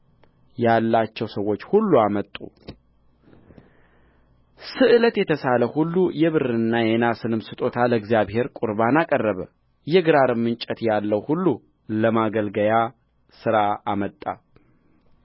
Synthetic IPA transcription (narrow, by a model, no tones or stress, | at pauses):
jalːat͡ʃːɛwsəwːo̞t͡ʃːhulːuamət̪ʼṵ | sɨʔɨlət̪jɛt̪ʰəsaləhulːujɛβɨrɨnːajɛnasɨnɨmsɨt̪ʼo̞t̪ʰaləɡzijaβhe̞ɾkʼuɾbanakʼərːəβə | jɛɡɨɾaɾɨmːɨnt͡ʃʼət̪jalːəwhulːu | ləmaɡəlɡəja | sɨɾaːmət̪ʼːa̰